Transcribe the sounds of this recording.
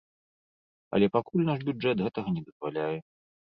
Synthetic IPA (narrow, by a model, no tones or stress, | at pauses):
ɐ̰lʲɛpakulʲnaʂbʲuɛt̪ɣɛt̪ɐɣɐnʲɛd̪ɐz̥valʲajɛ